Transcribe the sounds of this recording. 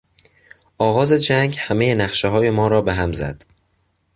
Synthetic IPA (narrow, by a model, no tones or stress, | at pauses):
ʔɒːɣɒːze̞d͡ʒæŋɡhæmejenæxʃeɦɒːje̞mɒːɾɒːbeɦæmzæ̰d̪̥